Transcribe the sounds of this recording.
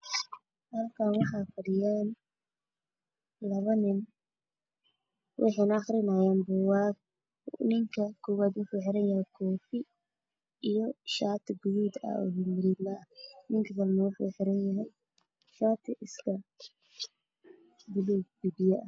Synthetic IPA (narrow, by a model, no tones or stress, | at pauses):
hɐlkʰaːnwɑħɑːfɐɾɪjaːn | lɐβɐnɪn | wʔɪ̰ħɑnɐːχɾɪnajaːmbʊwaː | nɪŋkʰɐkʰɔwaːd̪wʊħuːħɪɾɐnjɐhɛjkʰɔːfɪ | ijɞʃaːt̪ʰɪɡʊjuːd̪ɐ̰ɔ̰ːɦɪmʊɾid̪nanɪŋkʰɐɡɐlmɐwʊħʊ̰ːħɪɾɐnjɐɦɛj | ʃaːt̪ʰɪʔɪskʰɐ | bɪlibɪbɪjɐʔɐ